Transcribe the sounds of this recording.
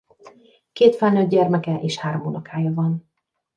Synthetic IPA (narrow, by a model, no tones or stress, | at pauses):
keːt̪fɛlnød̪̚ɟɛrmɛkɛʔeːʃhaːɾomunɒkʰaːjɒvɒn